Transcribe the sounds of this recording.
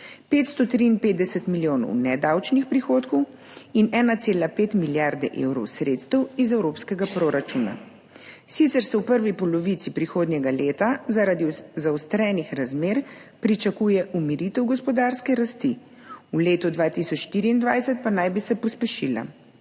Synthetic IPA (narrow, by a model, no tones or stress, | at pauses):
peːt̪st̪ɔt̪ɾiːnpeːd̪d̪ɛsɛt̪miljoːnɔ̰wnɛd̪awt͡ʃnixpɾixoːt̪kɔw | inɛːnat̪seːlapeːt̪miljaɾd̪ɛʔḛwɾɔwsɾet̪st̪ɛwizɛwɾoːpskɛɡapɾoːɾat͡ʃuːna̰ | sit̪sɛɾsɛwpəɾʋipɔlɔʋit̪sipɾixoːd̪njɛɡaleːt̪azaɾad̪izaɔst̪ɾɛːnixɾazmeːɾpɾit͡ʃakuːjɛʔumiɾit̪ɛwɡɔspɔd̪aːɾskɛɾast̪i | uleːt̪ɔd̪ʋaːt̪isɔt͡ʃʃt̪iɾiiːnd̪ʋajsɛt̪̚panajbisɛpɔspɛʃila̰